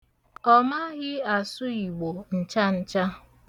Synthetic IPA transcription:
ɔ˦ma˦ɣɪ˦a˨sʊ˦i˨ɡ͡bo˨n̩˨t͡ʃa˦n̩˦t͡ʃa˦

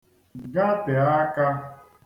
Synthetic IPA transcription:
ɡa˦te˨a˦ka˦

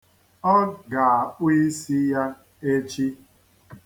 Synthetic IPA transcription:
ɔ˦ɡa˨a˨k͡pʷi˦i˦si˦ja˦ | e˦t͡ʃi˦

